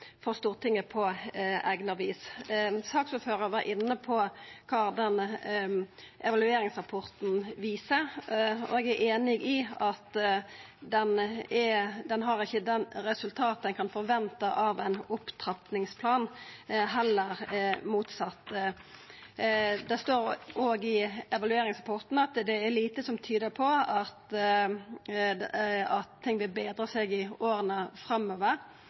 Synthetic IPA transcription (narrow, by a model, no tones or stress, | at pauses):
fɔʁst̪uːʁt̪ʰɪŋːəpʰɔæɡnɑʋiːssɑːkfʉføːɾəʋɑɾʔɪnːəpʰɔkʰɑːd̪ɛn | ʔɛʋɑlʉeːɾɪŋsʁɑpʰɔʁt̪n̩ʋiːsəɾɔ̰ɛɡæʔeːnɪɡɪɑt̪ | d̪ɛnɛd̪ɛnɦɑɾɪçːəd̪ɛnɾɛsʉlt̪ʰɑːt̪əd̪ɛnkʰɑnfɔɾʋɛnt̪əʔɑʋæɪnʊpt̪ʰɾɑpnɪŋspʰlɑːnɦɛlːəɾmuːt̪sɑt̪ː | d̪ɛst̪oːɾoːɡɪɛʋɑlʉeːɾɪŋsʁɑpʰɔʁt̪n̩ɑt̪d̪ɛːɾliːt̪əsɔmt̪ʰyːd̪əpʰɔɑt̪ | ɑt̪ʰːɪŋːʋɪlbeːd̪ɾəsɛɡɪoːɾənəfɾɑmoːʋəɾ